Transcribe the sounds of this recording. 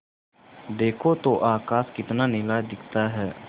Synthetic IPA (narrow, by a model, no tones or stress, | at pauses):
d̪eːkʰoːt̪oːʔaːkaːskɪt̪nanɪlaːd̪ɪkʰt̪aɦɛː